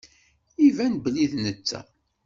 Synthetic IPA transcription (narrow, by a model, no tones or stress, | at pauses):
ivænbliðnət͡sːæ̰